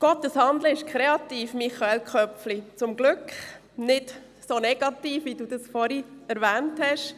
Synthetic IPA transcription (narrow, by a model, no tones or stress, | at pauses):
ɡ̥ɔt̪ːəshɑnd̪ləɪʃkʰɾeɑtiːfmiχɑɛlkʰœpflit͡sʊmɡ̥lʏkχ | nɪd | sonɛɡ̥ɑtiːfʋiduːdɑsfɔɾiɛɾʋæːnthɛʃ